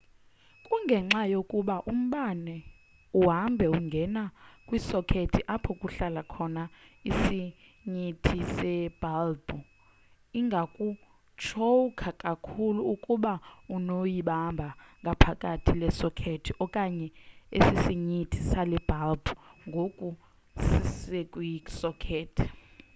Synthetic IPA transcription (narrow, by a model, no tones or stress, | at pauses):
kʼuŋɡʱɛŋ͡ǁajokʼuɓaʔum̩ɓanɛ | uɦambʱɛuŋɡʱɛnakʼwisɔkʰetʰiʔapʰɔkʼuɬalakʰɔnaisi | ɲitʰisɛb̥ʱalbu | iŋɡʱakʼu | t͡ʃʰoukʰakʼakʰuluːkʼuɓaunojiɓambʱaŋɡʱapʰakʼatʰilɛsɔkʰetʰiʔɔkʼaɲɛḛsisiɲitʰisalɛb̥ʱalbuŋɡʱokʼu | sisɛkʼwisɔkʰeːtʰi̥